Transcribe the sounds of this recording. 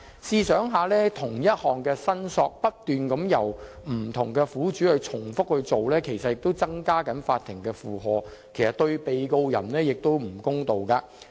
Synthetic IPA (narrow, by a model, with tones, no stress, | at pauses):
siː˨˧sœː˨˥ŋɦaː˨lɛː˥t̪ʰʊ˨˩ŋjɐ˥t̚hɔː˨ŋkɛː˧sɐ˥nsɔː˧k̚pɐ˥t̚t̪yː˨nkɐ˨˥mjɐ˨˩wm̩˨˩t̪ʰʊ˨˩ŋkɛː˧fuː˨˥t͡ʃyː˨˥hɵ˨˧t͡sʰʊ˨˩ŋfʊ˥k̚hɵ˧ɥt͡so˨wlɛː˥kʰe˨˩jsɐ˨t̚jɪ˨k̚t̪o˥wt͡sɐ˥ŋkaː˥kɐ˨˥nfaː˧t̪̚ʰɪ˨˩ŋkɛː˧fuː˨ɦɔː˨˧kʰe˨˩jsɐ˨˩t̪ɵ˧ɥpe˨jko˧wjɐ̰˨˩nlɛː˥jɪ˨k̚t̪o˥wm̩˨˩kʊ˥ŋt̪o˨wkaː˧